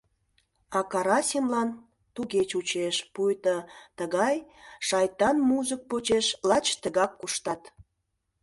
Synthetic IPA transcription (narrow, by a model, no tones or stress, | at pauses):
ɑkɑɾɑsʲimlɑn | t̪uɣet͡ɕut͡ɕeʃpujt̪ət̪əɣɑjʃɑjt̪ɑnmuʒək̚pot͡ɕeʃlɑt͡ɕt̪əɣɑkːuʃt̪ɑt̪